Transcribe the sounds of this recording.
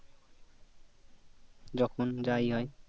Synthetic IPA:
d͡ʒɔkʰonzajɦɔj

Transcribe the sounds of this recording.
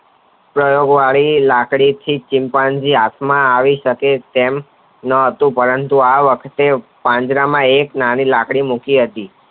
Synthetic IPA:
pɾəjoɡʋaɭilakɽit̪ʰit͡ʃɪ̃mpãnd͡ʒiat̪ʰmãaʋiʃəket̪em | nəɦət̪ũpəɾənt̪uaʋəkʰt̪epãɲd͡ʒɾamãeknanilakɽimukiɦət̪i

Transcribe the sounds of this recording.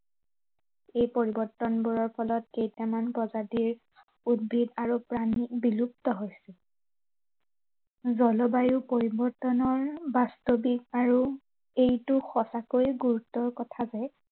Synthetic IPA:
ejpoɹibɔɹtːɔnbuɹɔɹpʰɔlɔt̚kejtamanbɔzadiɹ | ud̚bʱidaɹupɹanibilup̚tɔɦojsɛ | zɔlɔbajʊpoɹibɔɹtɔnɔɹbastobikaɹu | ejtʊxɔsakojɡuɹutːɔɹkɔtʰazɛ

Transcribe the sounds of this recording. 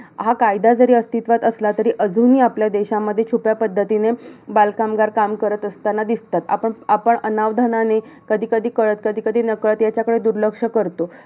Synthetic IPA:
ɦakajd̪ad͡zəɾiːəst̪it̪ʋat̪əslat̪əɾiːʔəd͡zuːniːapljad̪eɕamːəd̪ʱːjet͡ɕʰupjapəd̪ʱːət̪inebalkamɡaɾkamkəɾət̪əst̪anad̪ist̪at̪a̰pəɳapəɳənaʋd̪ʱanane | kəd̪ʱiːkəd̪ʱiːkəɭət̪̚kəd̪ʱiːkəd̪ʱiːnəkɭət̪jat͡ɕjakəɽed̪uɾləkʂəkəɾt̪o

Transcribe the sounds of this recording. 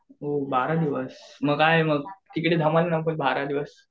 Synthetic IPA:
ɦobaɾad̪iʋəsməɡajeməɡ̚t̪ikɽid̪ʱəməlenamkolbaɾad̪iʋəs

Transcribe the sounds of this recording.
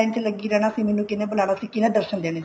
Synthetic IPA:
ɪnt̪ʰeləɡiːɾɛːɽ̃aːsĩːmeːnũːkɪneːbʊlaːɽ̃aːsĩːkɪneːd̪əɾʃənd̪eːɽ̃e

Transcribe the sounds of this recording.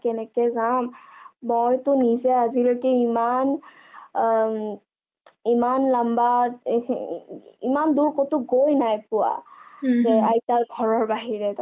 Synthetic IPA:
kɛnɛkɛzambɔjtʊnizɛazilɔkiiman | imanlamba | imanduɹkotʊɡojnajpʊwa̰zɛajtalɡʱɔɹɔɹbaɦiɹɛt

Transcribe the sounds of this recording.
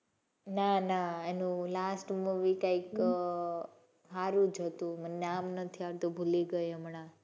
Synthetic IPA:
nanaenũlasʈmuʋikaik | ɦaɾũd͡ʒʱət̪ũməneamnət̪ʰiaɾt̪obʱuliɡəjəmɳa

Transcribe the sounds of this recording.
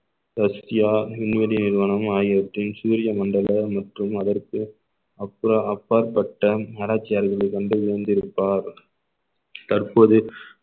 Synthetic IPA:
d̪ɐsɪjaːɪnʋɐɾɪnɪɾʋɐnɐmaːjɪɐʈrɪnsuːɾɪjɐmɐɳɖɐlɐmɐʈrɯmɐðɐrkɯ | ɐpːɯɾɐɐpːaːɾpɐʈːɐnaːɾaːt͡ʃːɪjaːɾɣɐɭɐɪkɐɳɖɯʋɪɐnd̪ɪɾɯpːaːɾ | t̪ɐrpoːðɯ

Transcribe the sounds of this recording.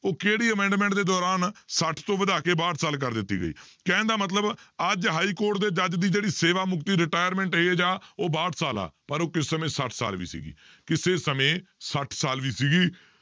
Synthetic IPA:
oːkeːɽiːəmɛ̃ːɳɖmɛ̃ːɳʈd̪eːd̪ɔːɾaːnsəʈʰt̪õːbəd̪aːkeːbaːʈsaːlk̬əɾd̪ɪt̪ːḭːɡə̰ḭːkɛ̃ːnd̪aːmət̪̬ləbəd͡ʒɦaːiːkoːɾʈd̪eːd͡ʒəd͡ʒd̪iːd͡ʒeːɽiːseːʋaːmʊkt̪iːɾɪʈaːjəɾmɛ̃ːɳʈɦeːd͡ʒaːoːbaːʈsaːla̰ːpəɾoːkɪsːəmẽːsəʈʰsa̰ːlʋḭːsḭːɡḭː | kɪseːsəmẽːsəʈʰsaːlʋiːsiːɡiː

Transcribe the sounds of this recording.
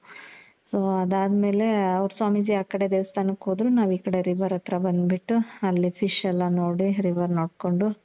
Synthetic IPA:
soːɐd̪aːd̪me̞ːle̞ɐʋɾsʋaːmid͡ʒiaːkːɐɽe̞d̪eːʋɐst̪ʰaːnɐkɦoːd̪ɾunaːʋiːkɐɽe̞ɾiʋɐɾɐt̪ɾɐbɐnd̪biʈːuɐlːipʰiʂɛlːanoːɽiɾiʋɐɾnoːɽko̞ɳɖu

